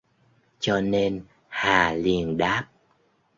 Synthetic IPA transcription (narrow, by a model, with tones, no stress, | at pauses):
t͡ɕɔ˧ne˧n | haː˨˩li˨˩ənɗaː˦˥p̚